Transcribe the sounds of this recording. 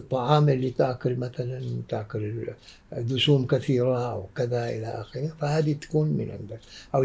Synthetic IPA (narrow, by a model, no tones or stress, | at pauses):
t̪ˤːɑʕɑːmʔɪlːit̪aʕkʊlmaθalant̪aʕkʊl | d̪ʊʃuːmkaθiːɾaʔa̰wkɪðaʔɪ̰laʔa̰xɪɾifahaːd̪it̪ḁkuːnmɪ̰nʕɪ̰nd̪akʔaw